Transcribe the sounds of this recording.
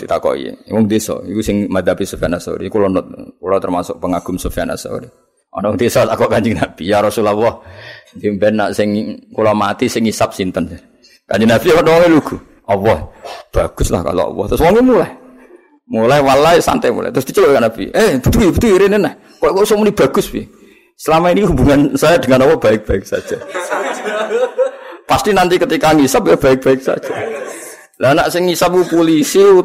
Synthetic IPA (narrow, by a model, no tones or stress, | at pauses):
t̪it̪akɔ̰ʔḭḛmɔŋd̪esɔ̰ikusɪŋmad̪apisufianasa̰ɾikulɔnɔt̪̚kulɔt̪ərmasʊk̚pəŋaɡumsofiana̰sa̰ṵdi | ɔ̰nɔŋd̪esɔt̪akɔʔkaɲd͡ʒiŋnaʔbiaɾɔsulawɔhdimbɛnːaʔsɪŋkulamat̪isɪŋisap̚sint̪əns | kaɲd͡ʒinafiɔnɔwɔŋiluɡu | ɔwɔhb̥aɡ̥ʊsla̰hka̰lo̰ɔ̰wɔ̰ht̪ɾʊswɔŋimulaɛ | mulɛhwalaisa̰nt̪ɛmṵla̰t̪ɾʊst̪it͡ʃəbʔkaʔnabieb̥ət̪uibət̪uiɾenenɛh | koʔkɔʔusɔmunib̥a̤ɡ̥ʊspḭ | səlamainihubuŋansajad̥əŋanɔpɔb̥aɪk̚b̥aɪk̚sa̰d̥d͡ʒ̥a | past̪inant̪ikət̪ikaŋisap̚jab̥aɪk̚b̥a̤ɪk̚sa̰̥d͡ʒ̥a | lanaʔsɪŋːisap̚kupolisiu